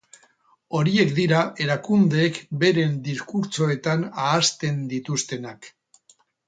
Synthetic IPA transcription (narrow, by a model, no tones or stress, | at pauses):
o̞ɾie̞kd̪iɾaʔe̞ɾakund̪e̞ːkbe̞ɾe̞nd̪iskuɾt͡so̞e̞t̪anaːst̪e̞nd̪it̪ust̪e̞nak